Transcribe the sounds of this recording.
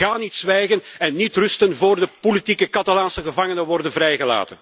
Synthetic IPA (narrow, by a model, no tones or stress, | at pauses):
ɣaːnitsʋɛjɣənɛnːitrʏstənvoːrdəpolitikəkɑtalaːnsəɣəvɑŋənəʋɔrdənvɾɛjɣəla̰ːtən